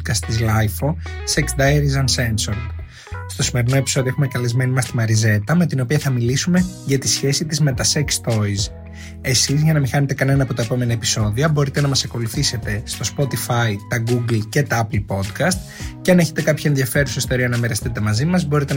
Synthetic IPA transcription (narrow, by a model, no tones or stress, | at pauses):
kɐst̪ːizlɐjfo̞seksd̪ɐeɾizɐnse̞nsoɾ | st̪o̞sime̞ɾino̞e̞pi̥so̞ðioxume̞kɐlezme̞nimɐst̪imɐɾize̞t̪ɐme̞t̪ino̞piɐθɐmilisume̞ʝɐt̪isçe̞sit̪izme̞t̪ɐsekst̪o̞iz | e̞sizʝɐnɐmixɐnet̪e̞kɐne̞nɐːpo̞t̪ɐepo̞me̞nɐepi̥so̞ðiɐbo̞ɾit̪e̞nɐmɐsɐko̞luθise̞t̪e̞st̪o̞spo̞t̪ifɐit̪ɐɡuɡlce̞t̪ɐɐplpo̞d̪kɐst̪̚ | ceɐneçet̪e̞kɐpçɐe̞nðiɐfe̞ɾusest̪o̞ɾiɐnɐmeɾest̪it̪e̞mɐzimɐzbo̞ɾit̪e